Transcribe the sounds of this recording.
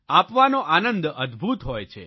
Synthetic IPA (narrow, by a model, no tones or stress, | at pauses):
apʋanoʔanənd̪əd̪bʱut̪ɦojt͡ʃʰḛ